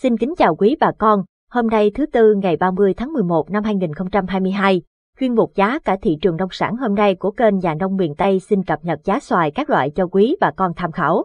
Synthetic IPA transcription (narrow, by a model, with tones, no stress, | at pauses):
si˧nkï˨˦ŋ̟t͡ɕaː˨˩wkwi˨˦ɓaː˨˩kɔ˧n | ho˧mna˧jt̪ʰɨ˨˦t̪ɨ˧ŋa˨˩jɓaː˧mɨ˧əjt̪ʰaː˨˦ŋmɨ˨˩əjmo˨˩t̚na˧mhaː˧jŋi˨˩nxə˧wŋ͡mt͡ɕa˧mhaː˧jmɨ˧əjɦaː˧j | kwi˧ənɓʊ˨˩k͡p̚zaː˨˦kaː˧˩t̪ʰḭ˧˨t͡ɕɨ˨˩əŋɗə˧wŋ͡msa̰ː˧˩nho˧mna˧jku˧˩əke˧nzaː˨˩nɗə˧wŋ͡mmḭ˧˨ənt̪ə˧jsï˧nkə˨˩p̚ɲə˨˩t̚zaː˨˦swaː˧˨jkaː˦˥k̚lwa̰ː˧˨jt͡ɕɔ˧kwi˨˦ɓaː˨˩kɔ˧nt̪ʰaː˧mxaː˧˩w